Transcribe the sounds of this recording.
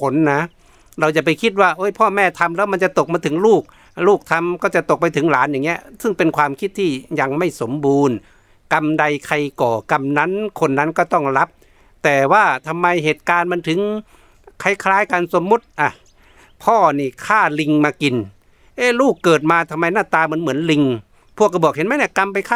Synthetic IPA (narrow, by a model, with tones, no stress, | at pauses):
kʰo˨˦nːa˧˥ | ɾa˧wt͡ɕa˨˧˩pa˧˨jkʰi˧˥t̪̬̚waː˧˩ʔoː˧˥jpʰɔː˧˩mɛː˧˩˨t̪ʰa˧mlɛː˦˧˥wma˧˨nt͡ɕa˧˨t̪o˨˩k̚maː˧t̪ʰɯ˨˦ŋluː˥˩k̚ | luː˧˥˩k̚t̪ʰa˧mkɔː˧˩t͡ɕa˧˩t̪o˨k̚pa˧jt̪ʰɯ˨˦ŋlaː˨˦nja˨ŋni˧˦˥ə˧˨sɯ˥˩ŋpe˧˨nkʰwaː˧mkʰi˧˥t̪ʰːiː˧˩ja˧ŋma˥˩jso˨˦mbuː˨˧n | ka˧mda˧jkʰa˧jkɔː˨˩ka˧mna˦˧˥nkʰo˧nːa˧˥nkɔː˧˩t̪ɔ˥˩ŋla˦˥p̚ | t̪ɛː˨˩waː˧˩t̪ʰa˧mːa˧jɦeː˨˩t̪̚kaː˧nma˧˥nt̪ʰɯ˨˦ŋ | kʰa˧˩jkʰlaː˧˥˩jka˧nso˨˦mːu˧˥t̪̚ʔa˧˩ | pʰɔː˧˩niː˧˩kʰaː˧˥˩li˧ŋmaː˧ki˨˧n | ʔeː˧˥˩luː˥˩kːɤː˨˩t̪̚maː˧t̪ʰa˧mːa˧jnaː˧˥˩t̪aː˧ma˧˥nmɯ˩˦ə˦nli˧ŋ | pʰu˧˩˨kːa˧˩bɔː˨˩k̚he˨˦nma˧˥jna˧˩ka˧mpa˧jkʰaː˧˥˨